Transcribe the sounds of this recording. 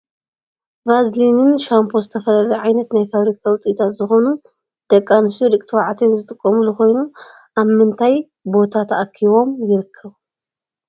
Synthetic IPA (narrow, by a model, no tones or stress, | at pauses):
vazlinɨnʃampʰozɨt̪ʰɐfɐlɐlɐʕajnɐt̪najfaβɾikʰawʊt͡sʼit̪ʰat̪zɨxo̞nu | d̪̥ɐkʼːanɨst̪iɾɨkʼt̪ʰɨwaʕat̪ʰenzɨt̪ʼɨkʼːɐmuluxo̞jnu | ʔaβmɨnt̪ʰaj | bo̞t̪ʰat̪ʰaʔkʰːiβo̞mjɪɾɨkʰːɐβ